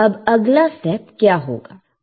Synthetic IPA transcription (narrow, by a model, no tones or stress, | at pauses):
ɐbɐɡlasʈɛpkjaːɦo̰ːɡa̰ː